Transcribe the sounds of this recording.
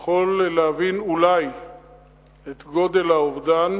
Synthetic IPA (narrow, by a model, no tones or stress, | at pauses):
χolːeavinulaj | et̪ɡo̞d̪e̞lhaovd̪an